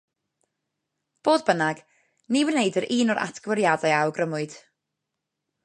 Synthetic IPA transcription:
b̥oːdbənaɡ | niwənejdəɾʔiːnɔɾʔa̰tʰɡ̥wəɾjadajawɡrəmʊɨd̥

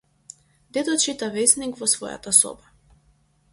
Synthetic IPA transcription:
d̪ɛd̪ɔt͡ʃit̪avɛsnikvɔsvɔ̰ja̰t̪asɔ̰ba

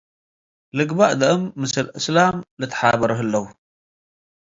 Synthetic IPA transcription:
lɨɡbaʔd̪ɐʔɨmːɨsɨlʔɨslamlɨt̪ʰːħabɐɾɐɦɨlːɐwu

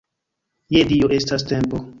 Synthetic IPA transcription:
jedioʔe̞staste̞mpo

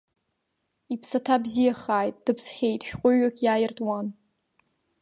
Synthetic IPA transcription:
ipʰsatʰabzijaχaːjt̚ʼd̥ɨpʰsχʲe̞jtʼʃᶣqʷʼʊɥakʲʼjaːjɪrtʼwan

